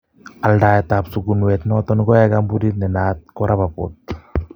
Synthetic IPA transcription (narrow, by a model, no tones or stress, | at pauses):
aldaːɛtapsuɡunwɛt̪nɔtɔnɡɔɛkambuɾit̚nɛnaːt̪̚kɔɾabapo̰t̪̚